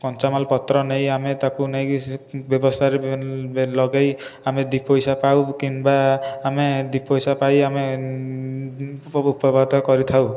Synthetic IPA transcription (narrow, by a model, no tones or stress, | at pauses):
kɔnt͡ʃamalpɔt̪ɾɔnejamet̪akunejbjɔbɔst̪ʰaɾe | lɔɡajamed̪ipojsapawkinbaːmed̪ipʰojsapajame | upɔbʱad̪ɔkɔɾit̪ʰaw